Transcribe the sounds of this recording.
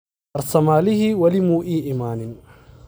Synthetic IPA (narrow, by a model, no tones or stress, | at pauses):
ɐrsɐmaːlɪɦiwɐlɪmuːʔiːʔɪmaːnɪn